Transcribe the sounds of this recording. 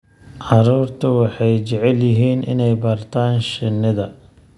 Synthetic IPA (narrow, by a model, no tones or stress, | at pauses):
ʕɑɾuːrt̪ʰɐwɑħɑjt͡ʃɛʕɛljɪɦiːnɪ̰nɛjbɐrt̪ʰaːnʃɪnːɪðɐ